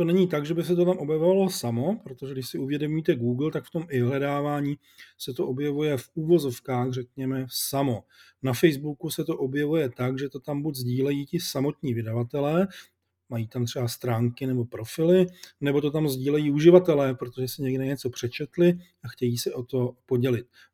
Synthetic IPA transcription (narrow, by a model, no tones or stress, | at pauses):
t̪o̞nɛɲiːt̪aɡʒɛbɪs̬ɛt̪̬o̞t̪amʔo̞bjɛvovalo̞samo̞pɾot̪oʒɛɡdɪʃsɪʔuvjɛdo̞miːt̪ɛɡuːɡlt̪akft̪o̞mɪɦlɛdaːvaːɲiː | sɛt̪o̞ʔo̞bjɛvujɛfuːvo̞zo̞fkaːɣrɛk̚ɲɛmɛsamo̞ | nafɛjzbukusɛt̪o̞ʔo̞bjɛvujɛt̪akʒɛt̪o̞t̪ambuɟzɟiːlɛjiːcɪsamo̞t̪ɲiːvɪdavat̪ɛlɛː | majiːt̪amt̪r̝̥ɛbast̪ɾaːŋkɪnɛbo̞pɾo̞fɪlɪnɛbo̞t̪o̞t̪amzɟiːlɛjiːuʒɪvat̪ɛlɛːpɾo̞t̪o̞ʒɛsɪɲɛɡdɛɲɛt͡so̞pr̝̥ɛt͡ʃɛt̪lɪ | axcɛjiːsɛʔo̞t̪o̞po̞ɟɛlɪt̪̚